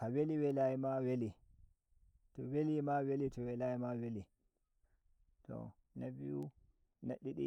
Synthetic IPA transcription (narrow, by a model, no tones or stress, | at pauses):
kaweliwɛlajimaweli | tɔwelimawelitɔwɛlaimaweli | tɔ̰ | nabiu | naɗːiɗḭ